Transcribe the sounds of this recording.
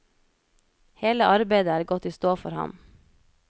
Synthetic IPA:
heːləʔɑɾbæɪd̪əæːɾɡɔt̪iːst̪oːfɔ̰ɾhɑ̰m

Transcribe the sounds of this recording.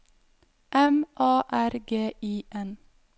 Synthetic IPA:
ʔɛmʔɑːʔæɾɡeːʔiːʔɛn

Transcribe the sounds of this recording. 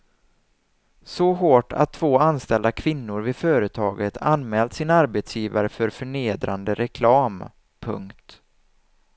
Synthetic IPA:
sɔɦoːʈa̰t̪ʰːv̥oːanst̪ɛld̪akʰv̥ɪnːʊɾvɪfœːɾət̪ʰɑːɡət̪ʰanmɛːlt̪sɪnaɾbet̪sjiːvaɾəfœɾfœɳeːd̪ɾand̪əɾɛkʰlɑːm | pʰɵ̰ŋkt̪

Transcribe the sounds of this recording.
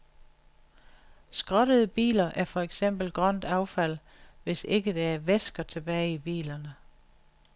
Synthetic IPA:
sɡ̥ʁɒɾəð̩ˠəb̥ḭːlɐʔæɐfɒ̽eɡ̥sem̰b̥l̩ɡ̥ʁɶn̰d̥ɑ̈ʊfæl̰ | ʋe̝se̝ɡ̥əd̥eæɐʋesɡ̥ɐt͡sʰe̝b̥ɛːɪib̥ḭːlɐnə

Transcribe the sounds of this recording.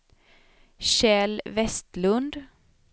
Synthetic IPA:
ʃeːlʋɛst̪lʉnd̪

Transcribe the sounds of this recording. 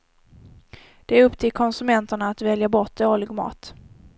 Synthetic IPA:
d̪̥ɛæɾɵpːt̪ʰɪlkʰɔnsɵmɛnt̪əɳaːt̪vɛljabɔʈ̚d̪ɛoːlɪɡmɑ̰ːt̪

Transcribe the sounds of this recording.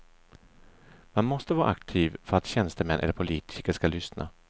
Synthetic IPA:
manmɔst̪əvɑːɾaʔa̰kt̪ʰiːvfœɾat̪ɕɛnst̪əmɛnʔɛ̰lːəɾpʰʊliːt̪ʰɪkəʂkalʏsnʔa̰

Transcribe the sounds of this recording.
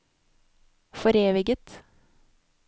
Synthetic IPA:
fɔɾeːʋɪɡət̪

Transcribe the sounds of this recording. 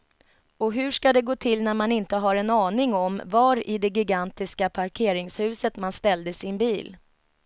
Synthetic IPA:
ɔɦɵ̟ʂkad̪ɛɡoːt̪ʰɪlnæɾmanɪnt̪əɦaɾɛnɑːnɪŋɔmvaɾɪd̪ɛɡɪɡant̪ɪskapʰaɾkʰeːɾɪŋshʉ̟ːsət̪manst̪ɛld̪əsɪnbiːl

